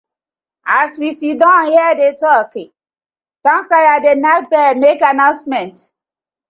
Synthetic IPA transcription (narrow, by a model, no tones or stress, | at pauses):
aswisidɔ̃hɛdetɔke | tɔ̃ŋ̩kajadenat̚bɛmekanaʊ̃nsmɛnt